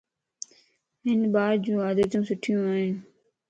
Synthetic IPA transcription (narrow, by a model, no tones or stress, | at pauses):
ɦɪnbaːd̪d͡ʑũːaːd̪əːt̪ũːsʊʈʰɪjũːaːɦɪn